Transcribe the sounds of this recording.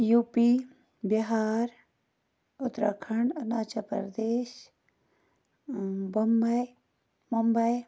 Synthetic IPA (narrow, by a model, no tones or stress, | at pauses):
jupi | bjɐɦaːɾ | ʊt̪ɾakʰəɳɖɐnaːt͡ʃɐpɐ̰ɾd̪eːʃ | bombɐj | mumbɐj